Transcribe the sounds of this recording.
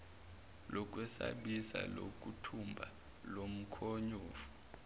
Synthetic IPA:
lɔk̬ʼwɛsa̰ɓisa̰lo̰k̬ʼutʰumbʱa | lom̩kʰoɲuːfu̥

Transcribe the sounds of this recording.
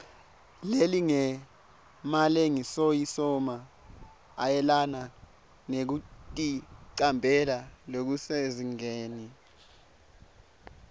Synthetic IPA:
leliŋɛ | maleŋisojisɔma | ajɛlana | nek̬utʼiǀambʱɛlalok̬useziŋeːni

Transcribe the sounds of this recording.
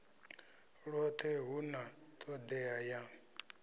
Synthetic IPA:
ɺɔt̪ʰeɣunãt̪ʰɔd̪ɛajã

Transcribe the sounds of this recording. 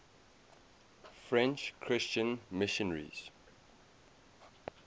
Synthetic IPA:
fɹɛ̃nt͡ʃkʰɹɪst͡ʃə̃nmɪʃənəɹḭz̥

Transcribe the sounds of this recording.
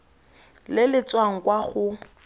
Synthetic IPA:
lɪlɪt͡swaŋ̩kwaχʊ

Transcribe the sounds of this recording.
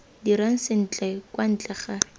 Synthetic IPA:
diɾaŋ̩sɪn̩t͡ɬʼɛkwan̩t͡ɬʼɛχa

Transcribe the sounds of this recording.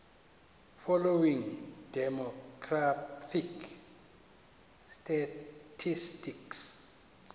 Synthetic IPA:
fɔlowiŋd̥ɛmɔkʰratʰik | stʰatʰistiks

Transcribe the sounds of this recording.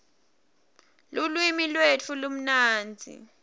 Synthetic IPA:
lulwimilwet͡fʰulum̩naːnd͡zʱḭ

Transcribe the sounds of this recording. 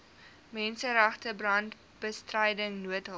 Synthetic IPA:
mɛnsəɾæχtəbrɐnt | b̥əstrɛjdəŋnuətɦə

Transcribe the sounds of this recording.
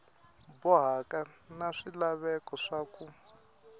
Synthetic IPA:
bɔɦakanaʂilaβɛkɔʂaku

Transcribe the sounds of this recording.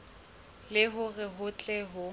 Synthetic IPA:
lɪɦʊɣɛɦʊt͡ɬʼɛɦʊ

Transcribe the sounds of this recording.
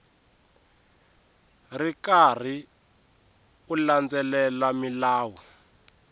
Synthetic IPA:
rikar̤i | uland͡zɛlɛlamilaːwu

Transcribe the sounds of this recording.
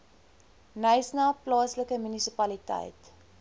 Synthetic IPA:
nəjsnɑplɑːsləkəmynisipɐlitə̰jt

